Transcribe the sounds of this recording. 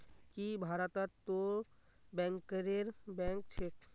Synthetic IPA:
kibʱaɾat̪att̪ːo | bɛ̃ŋkɾeɾbɛ̃ŋkt͡ɕʰek

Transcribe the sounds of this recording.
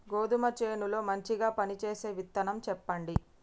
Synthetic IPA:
ɡo̞ːd̪umɐt͡ʃeːnulo̞ːmɐɲt͡ʃiɡaːpɐnit͡ʃe̞ːse̞ːʋit̪ːɐnɐmt͡ʃɛpːɐɳɖi

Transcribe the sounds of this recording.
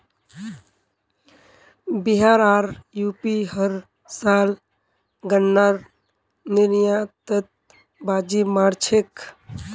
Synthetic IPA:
biɦaɾaːɾjupiɦəɾ | saːl | ɡənːaɾ | niɾjat̪ət̪̚ | baːd͡ʒimaɾt͡ʃʰek

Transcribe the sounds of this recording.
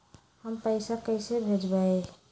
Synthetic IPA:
həmpəɪsakəɪsebʱed͡ʒbə

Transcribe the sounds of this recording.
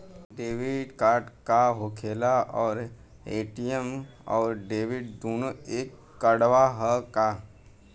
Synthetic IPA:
ɖeːʋɪɖkaːɾʈkaɦoːkʰeːlaɔːɾ | eːʈiem | ɔːɾɖeːʋɪɖd̪oːnoeːkː | əɽʋaɦəka

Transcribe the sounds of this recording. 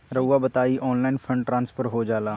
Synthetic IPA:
ɾəːaːbət̪aːiːʔɔːnlaːɪnpʰə̃ɳɖʈɾãːnspʰəɾɦoːd͡ʒaːlaː

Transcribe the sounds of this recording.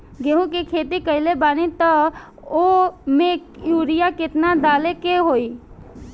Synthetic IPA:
ɡeɦũk̬ikʰeːt̪ikəɪlebaːnit̪ə | omẽjuːɾɪjakɪt̪nad̪aːlekeɦoːiː

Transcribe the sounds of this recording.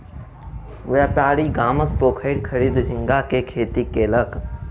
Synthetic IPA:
ʋɛːpaːɽiɡaːmək̚poːkʰəɪd̪kʰəɾiːd̪d͡ʒʱɪ̃ŋɡakekʰeːt̪ikelək

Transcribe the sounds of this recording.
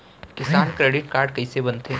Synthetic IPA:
kɪsaːnkɾeːɖɪʈ̚kaːɾɖkɐisebɐnt̪ẽː

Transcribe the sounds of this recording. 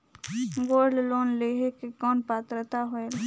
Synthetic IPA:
ɡoːlloːnleɦekekɔːnpaːt̪ɾət̪aɦoeɾ

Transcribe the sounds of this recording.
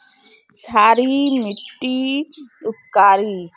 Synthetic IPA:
saːɾimiʈːiʊt̪kaːɾiː

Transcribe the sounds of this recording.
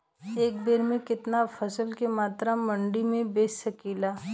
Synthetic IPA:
eːk̚beːɾmẽkɪt̪nafʰɐsəlkemaːt̪ɾamɐ̃ɳɖimẽbeːsəkiːlaː

